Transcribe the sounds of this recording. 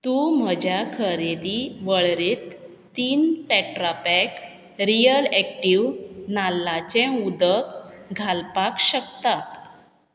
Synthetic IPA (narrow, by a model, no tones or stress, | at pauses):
t̪um̤əd͡ʑʱjakʰəɾed̪iʋəɭɾet̪ː | iːnʈɛʈɾapɛk | ɾijəlɛk̚ʈiʋnalːat͡ɕẽud̪əkɡʱalpakɕəkt̪at̪